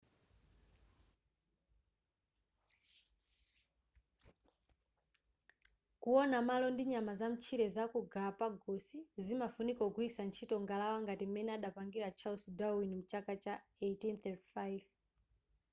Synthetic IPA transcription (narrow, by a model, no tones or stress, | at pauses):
kuɔnamalɔndiɲamazam̩t͡ʃʰiɾɛzakuɡapaɡɔsizimafunikaɡwisant͡ʃʰitɔŋɡalawaŋɡatimɛnɛaɗapaŋɡiɾat͡ʃʰausudawinim̩t͡ʃakat͡ʃaetinθɛtifajv